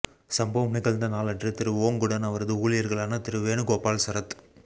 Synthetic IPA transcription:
sɐmboːmɐnɪkːɐɭnd̪ɐnaːlɐʈrɯt̪ɪɾɯʋoːŋɡɯɽɐnɐʋɐɾɐðɯuːlɪjɐɾɣɐɭaːnɐt̪ɪɾɯʋeːɳɯkoːpaːlsɐɾɐt̪

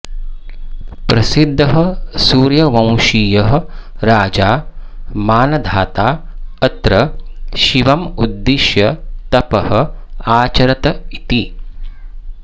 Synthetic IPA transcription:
pɾɐsid̪ʱːɐɦɐ̆suːɾjɐʋɐ̃w̃ʃiːjɐɦɐ̆ɾaːd͡ʒaːmaːnɐd̪ʱaːt̪aːɐt̪ɾɐʃiʋɐmud̪ːiʃjɐt̪ɐpɐhɐ̆aːt͡ʃɐɾɐt̪ɐit̪i

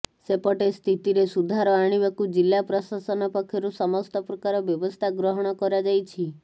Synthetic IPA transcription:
sepɔʈest̪ʰit̪iɾesud̪ʱaɾɔaɽ̃ibakud͡ʒilːapɾɔsasɔnɔpɔkʰːjɔɾusɔmɔst̪ɔpɾɔkaɾɔbjɔbɔst̪ʰaɡɾɔɦɔɽ̃ɔkɔɾad͡ʒajt͡ʃʰi

